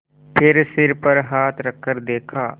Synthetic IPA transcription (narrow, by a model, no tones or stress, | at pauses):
pʰɪɾsɪɾpəɾɦaːt̪ʰɾəkʰːəɾd̪eːkʰaː